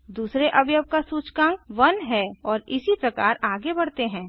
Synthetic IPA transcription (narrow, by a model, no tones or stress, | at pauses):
d̪uːsɾeʔɐbjəb̚kasuːt͡ʃkãːŋɡʋɐnɦɛːɔːɾɪsipɾɐkaːɾaːɡebɐɽt̪eɦɛ̃ː